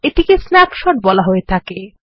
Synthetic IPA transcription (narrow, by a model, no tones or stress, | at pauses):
eʈikesnɛpʃɔʈ̚bɔlaɦoet̪ʰake